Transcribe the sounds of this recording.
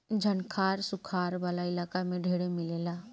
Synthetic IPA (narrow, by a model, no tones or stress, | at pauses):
d͡ʒʱənkʰaːɾsʊkʰaːɾʋaːlaɪlaːkamẽɖʱeːɽemɪlela